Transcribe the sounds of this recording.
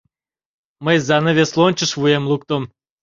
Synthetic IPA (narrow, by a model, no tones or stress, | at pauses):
məjzɑnəvʲeslˠonʲt͡ɕəʃvujemluk̚t̪om